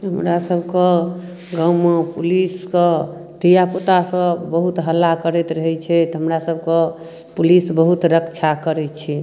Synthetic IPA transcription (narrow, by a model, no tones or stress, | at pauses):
ɦəmɾasəbʱke | ɡəwmepuliske | d̪ijapot̪asəbəɦut̪ɦəlːakəɾɛt̪ɾəɦɛt͡ʃʰɛt̪ɦəmɾasəb̚ʱke | pulisbəɦut̪ɾəkt͡ʃʰakəɾɛt͡ʃʰɛ